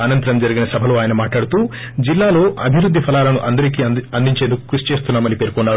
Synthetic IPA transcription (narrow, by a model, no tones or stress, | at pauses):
ɐnɐnt̪ɐɾɐmd͡ʒɐɾiɡinɐsɐbʱɐloːaːjɐnɐmaːʈlaːɽut̪uː | d͡ʒilːaːlo̞ːʔɐbʱiɾud̪ʱːipʰɐlaːlɐnuʔɐnd̪ɐɾik̬iːɐnd̪iɲt͡ʃe̞ːnd̪uku̥kɾust͡ʃe̞ːst̪unːaːmɐnipeːɾkɔnːaː